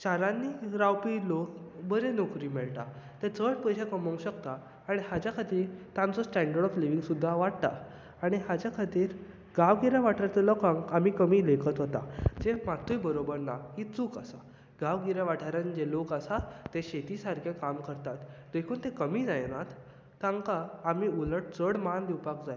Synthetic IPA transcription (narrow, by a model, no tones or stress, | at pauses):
t͡ɕaɾãnːiːɾawpiːlokbəɾenokɾimeɭt̪a | t̪əɾt͡səɽpəjɕakəməw̃ɕəkt̪aː | ɽ̃ihad͡ʑjakʰat̪iːɾt̪ãnt͡sɔsʈaɳɖəɭɽɔfliʋiŋɡsud̪ʱːaʋaɽt̪a̰ | aɽ̃iɦad͡ʑjakʰat̪iːɾ | ɡaʋɡiɾaʋaʈʰaɾt̪əlɔkãŋɡamiːkəmiːlekʰət̪ɦot̪a̰d͡zemat̪ʰujbəɾobəɾnaɦit͡sukasa | ɡaʋɡiɾjãʋaʈʰaɾãnd͡ʑelokasat̪eɕet̪isaɾkʰekamkəɾt̪at̪d̪ekʰuːnt̪ẽkəmiːd͡zajnat̪ː | ãŋkaːmiːuləʈ̚t͡səɽmand̪iwpakd͡zaj